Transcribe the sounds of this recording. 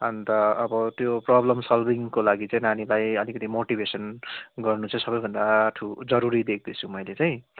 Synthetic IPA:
ʌnt̪ʌːbʌt̪joprʌblʌmsʌlbʱiŋkolaɡit͡saj̃nanilajʌlikʌt̪imoʈibʱesʌnɡʌrnut͡sʰʌ̃sʌbʌjbʱʌnd̪aʈʰud͡zʌɾuɾid̪ek̚ʰd̪ʌt͡sʰũmʌjlet͡saj̃

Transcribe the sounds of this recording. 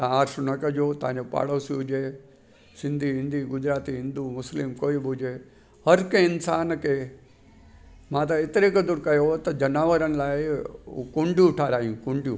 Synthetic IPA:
t̪ãaːɾʃnɐkɐd͡ʒoːt̪ãːɲd͡ʑopa̰ːɽosiɦʊd͡ʑe | sɪ̃nd̪ʱiɦɪ̃nd̪ʱiɡʊd͡ʑɾaːt̪iɦɪ̃nd̪umʊslɪmkoːibʊd͡ʑeː | hɐɾkẽɪnsaːnkʰeː | mãːt̪ɐɪt̪ɪɾekd̪ʊɾkɐjot̪ɐd͡ʑɐnaːʋəɾənɪ̆laːɪṵkʊ̃ɳɖjũʈʰaːɾaːɦijũkʊ̃ɳɖijṵ̃

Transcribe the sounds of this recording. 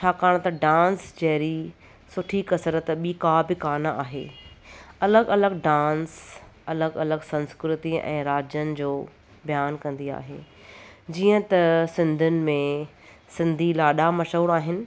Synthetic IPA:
t͡ɕʰaːkaːɽ̃t̪ɐɖãːnsd͡ʑɐɦɪɾi | sʊʈʰikɐsɾət̪ɓikaːbɪkaːnaa̰ːɦḛː | ɐləɡɐləɡɖãːnsɐləɡɐləɡsɐ̃nskɾɪt̪iʔɛ̰̃ːɾaːd͡ʑənɪ̆d͡ʑoː | bijaːnkɐ̃nd̪ia̰ːɦḛː | d͡ʑiːə̃t̪ɐsɪ̃nd̪ʱʊnɪ̆mẽ | sɪ̃nd̪ʱilaːɗamɐʃoːɽaːɦɪnɪ̆

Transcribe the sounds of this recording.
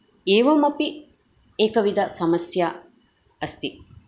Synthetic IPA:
eːʋɐmɐpi | ekɐʋid̪asɐmɐsjaː | ɐst̪i

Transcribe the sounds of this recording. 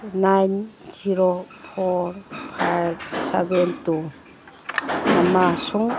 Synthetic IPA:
najnziɾo | pʰɔɾpʰajbsebentu | namasuŋ

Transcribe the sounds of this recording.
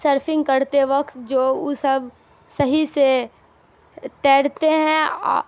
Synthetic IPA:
səɾpʰɪ̃ŋɡ̚kɐɾt̪eʋɐkt̪d͡ʒoːʊsɐb | sɐɦise | t̪ɛːɽt̪eɦɛ̰̃

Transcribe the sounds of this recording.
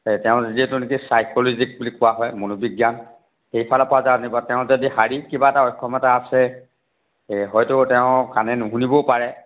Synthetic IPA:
tɛʊ̃zidiɛtʊnik̬isajkɔlɔzik̚bulikːʊwaɦɔjmonubiɡjan | xejpʰalapɔazaanibɔtɛʊ̃zodiɦaɹikibaɛtaɔjkʰːɔmɔtaːsɛ | ɦɔjtʊtɛʊ̃kanɛnʊɦunibɔpaɹɛ

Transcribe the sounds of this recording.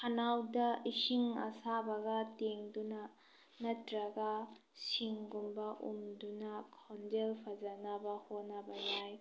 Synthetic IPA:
kʰanawdɐisiŋɐ̰sabɐɡɐteŋduna | nɐtɾɐɡasiŋɡumbɐʔṵmdunakʰɔnd͡ʒelpʰazanabahonabajaj

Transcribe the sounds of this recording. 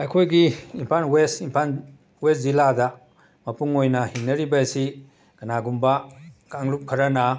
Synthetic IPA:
ɐjkʰojɡiimpʰanwestimpʰan | wes̚ziladɐ | mɐpuŋojnɐhiŋnːɐɾibɐsi | ɡ̥ɐnaɡumbɐkaŋlup̚kʰɐɾɐnɐ

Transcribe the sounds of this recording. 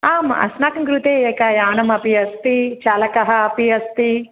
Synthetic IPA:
aːmɐ̰snaːkɐŋkɾut̪eːeːkaːjaːnɐmɐpiɐst̪it͡ʃaːlɐkɐɦɐɐpiɐst̪i

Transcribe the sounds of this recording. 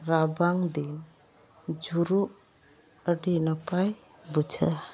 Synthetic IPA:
ɾabaŋd̪in | d͡ʒuɾu | əɖinapʰaj | but͡ʃʰa̰

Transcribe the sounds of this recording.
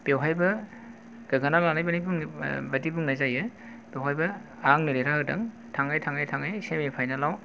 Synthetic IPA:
pewɦajbɐ | ɡ̥ɐɡanalawnajbɐnajbuŋbɐtibuŋnazajɯ | bewɦajbɐ | aŋnɯɾeɾaɦɯdɐ̰ŋ | tʰaŋajtʰaŋajtʰaŋajsemipʰajnalaw

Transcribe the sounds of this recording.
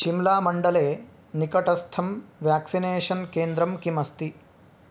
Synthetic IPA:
ʃimlaːmɐɳɖɐleː | nikɐʈɐst̪ʰɐmʋjaːksineːʂɐnkeːnd̪ɾɐmkimɐst̪i

